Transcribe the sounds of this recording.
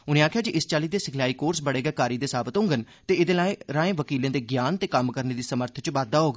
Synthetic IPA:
ʊnẽːaːkʰjaːd͡ʒiʔɪst͡ʃaːliːd̪eːsɪkʰlaːiːkoːɾsbəɽeːɡɛːkaːɾiːd̪eːsaːbət̪ɦʊ̃ŋɡən | t̪eːɪd̪ẽːlaːẽːɾãːẽːʋəkiːlẽːd̪eːɡjaːnt̪eːkəmkəɾneːd̪iːsəməɾt̪ʰt͡ʃʋaːd̪ːaːɦoːɡa

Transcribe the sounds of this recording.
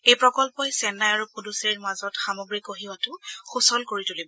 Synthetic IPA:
ejpɹɔkɔlpɔjsɛnajaɹupoduseɹmazɔtxamɔɡɹikoɦiwatʊxusɔlkoɹitulibɔ

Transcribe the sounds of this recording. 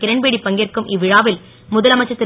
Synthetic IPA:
kɪɾɐɳbeːɽipːɐŋɡerkɯmʔɪʋːɪɻaːʋɪl | mʊðɐlɐmɐt͡ʃːɐt̪ːɪ

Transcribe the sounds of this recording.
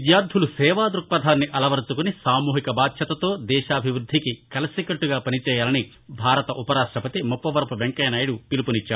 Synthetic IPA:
d̪jaːɾd̪ʱulusɛːʋaːd̪ɾuk̚pɐd̪ʱaːnːiʔɐlɐʋɐɾut͡ʃukunisaːmuːɦikɐbaːd̪ʃʰɐt̪ɐt̪o̞ːd̪ɛːʃaːbʱiʋɾud̪ʱːikikɐlɐsikɐʈːuɡaːpɐnit͡ʃɛːjaːlɐni | bʱaːɾɐt̪ɐʔupɐɾaːʂʈɾɐpɐt̪imupːɐʋɐɾpuʋeŋkɐjnaːjɐɽupilupunit͡ʃːaː

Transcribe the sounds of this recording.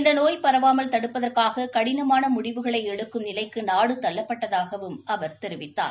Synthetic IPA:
ɪnd̪ɐnoːjpɐɾɐʋaːmɐlt̪ɐɽɯpːɐðɐrkaːɣɐkɐɽɪnɐmaːnɐmʊɽɪʋɯɣɐɭɐɪɛɽɯkːɯmnɪlɐɪkːɯnaːɽɯt̪ɐlːɐpːɐʈːɐðaːɣɐʋɯmʔɐʋɐɾt̪ɛɾɯʋɪt̪ːa̰ːɾ

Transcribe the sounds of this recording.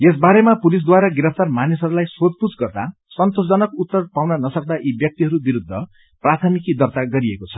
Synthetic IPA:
es̬baɾemapulis̬d̪waɾaɡiɾʌpʰt̪armanisʌɾulajsot̪̚put͡sɡʌrd̪a | sʌnt̪osd͡zʌnʌkut̪ːʌrpawnʌnʌsʌk̚d̪aʔibjʌk̚t̪iɦʌɾubiɾud̪ʱːʌ | prat̪ʰʌmikid̪ʌrt̪aɡʌɾiekot͡sʰʌ̥

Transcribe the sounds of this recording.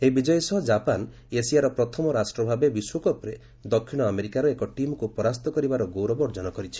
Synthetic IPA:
eɦibid͡ʒɔjɔsɔɦɔd͡ʒapan | esijaɾɔpɾɔt̪ʰɔmɔɾasʈɾɔbʱabebiswokɔpɾe | d̪ɔkʰːiɽ̃ɔameɾikaɾɔekɔʈimɔkupɔɾast̪ɔkɔɾibaɾɔɡowɾɔbɔɾd͡ʒɔnɔkɔɾit͡ʃʰi̥

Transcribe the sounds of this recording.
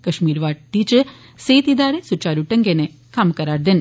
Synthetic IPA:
kɐʂmiːɾʋaːʈ̚t̪iːt͡ʃɨ | seːt̪id̪aːɾesut͡ʃːaːɾuʈːɐŋɡene | kʰaːmkɐɾaːɾd̪ɐn

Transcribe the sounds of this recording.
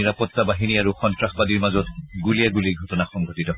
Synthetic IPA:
iɹapɔtːabaɦiniaɹuxɔntɹaxbadiɹmazɔtɡuliɛɡuliɡʱɔtɔnaxɔŋɡʱotitɔ

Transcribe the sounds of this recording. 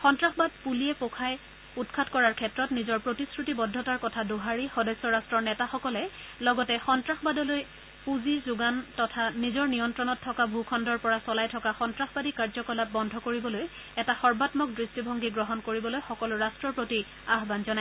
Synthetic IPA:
xɔntɹaxbad̚pulijɛpokʰaj | utkʰatkɔɹaɹkʰɛtɹɔtnizɔɹpɹotiskɹutibɔdʱːɔtaɹkɔtʰadoɦaɹixɔdɔsːɔɹastɹɔɹnɛtaxɔkɔlɛlɔɡɔtɛxɔntɹaxbadɔloj | puzizʊɡantɔtʰanizɔɹnijɔntɹɔnɔtʰːɔkabʱukʰɔndɔɹpɔɹasɔlajtʰɔkaxɔntɹaxbadikaɹzɔkɔlap̚bɔndʱɔkoɹibɔloj | ɛtaxɔɹbatmɔk̚dɹistibʱɔŋɡiɡɹɔɦɔnkoɹibɔlojxɔkɔlʊɹastɹɔɹpɹoti | aɦbanzɔnaj

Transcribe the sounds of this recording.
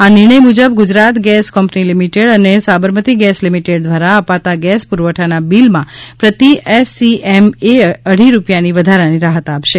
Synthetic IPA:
anɪɾɳ̃əjmud͡ʒəbɡʊd͡ʒɾat̪ɡɛskɔmpnilimiʈeɽənesabəɾmət̪iɡɛslimiʈeɖ̚d̪ʋaɾaəpat̪aɡɛspuɾʋəʈʰanabilmãpɾət̪iʔɛsiʔɛmeəɽ̤iɾupjaniʋəd̪ʱaɾaniɾaɦət̪apʃe

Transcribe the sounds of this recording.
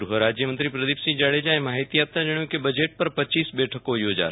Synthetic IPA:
ɾuɦɾaːd͡ʒjəmənt̪ɾipɾəd̪iːpsĩd͡ʒaːɽed͡ʒãːẽmaːɦit̪iaːp̚t̪ãd͡ʒɐɽ̃jõkebɐd͡ʒeːʈ̚pɐɾpɐt͡ʃiːsbɛːʈʰəkojoːd͡ʒa̰ːɾ

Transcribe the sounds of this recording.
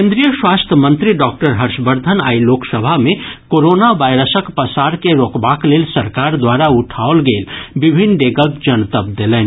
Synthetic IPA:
kẽːnd̪ɾijəʃwaːst̪ʰəmə̃nt̪ɾiɖɔːk̚ʈəɾɦəɾʃbəɾd̪ʱəna̰ːiloːksəbʱamẽkoːɾoːnaʋaːɪɾəsəkpəsaːɾkeɾoːkbaːkleːlsɐɾkaːɾd̪waːɾaʊʈʰaolɡeːlbɪbʱɪnɖeːɡəɡd͡ʒənt̪əp̚d̪eːleːn

